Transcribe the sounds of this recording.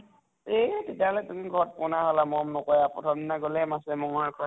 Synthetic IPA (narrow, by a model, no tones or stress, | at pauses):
etetjaɦɔlɛtumiɡʱɔɹɔt̚pʊnaɦɔlamɔɔmnɔkɔjapɹɔtʰɔmnaɡolɛmasɛmɔŋɔkʰɔɹ